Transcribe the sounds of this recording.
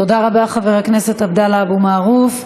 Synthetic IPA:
tod̪aʁabaχaveʁakne̞setabd̪alaabumaːʁuf

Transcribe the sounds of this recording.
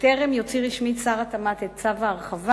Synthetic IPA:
t̪eʁemjot͡siʁiʃmit͡saʁat̪amat̪ett͡savaːʁχava

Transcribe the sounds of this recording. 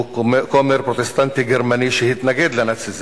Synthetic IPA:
komeɾpʁot̪est̪ant̪iɡeɾmaniʃehit̪naɡed̪lanat͡siz

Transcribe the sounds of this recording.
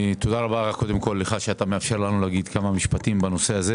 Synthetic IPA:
t̪od̪aʁabaʁakːo̞d̪emko̞lːeχaʃeat̪ameafʃe̞ʁlanulaaɡid̪kamamiʃpat̪imbano̞se̞aze

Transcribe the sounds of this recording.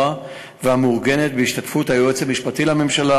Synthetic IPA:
a | veamuʁɡene̞t̪beiʃtatfuthajuet͡selmiʃpatilame̞mʃala

